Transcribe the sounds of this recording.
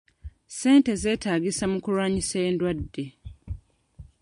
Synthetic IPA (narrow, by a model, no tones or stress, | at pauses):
se̞ːnte̞ze̞ːtaːɡisamukulwaːɲiseːndwadːe